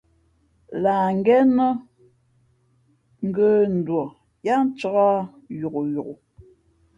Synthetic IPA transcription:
la˨ŋ˦ɡɛ˦nə˦ | ŋ̩˦ɡə˦n̩˨dwɔ˨ | ja˦n̩˦t͡ʃɔ˦ɣa˦ | ju˨ku˨ju˨ɣu˨

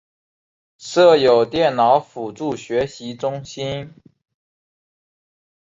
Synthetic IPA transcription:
ʂɤ˥˩jo˨˩ʊt̪jɛ˥˩nnɑ˧˥ʊfu˨˩ʈ͡ʂu˥˩ɕɥɛ˧˥ɕi˧˥ʈ͡ʂʊ˥ŋɕi˥n

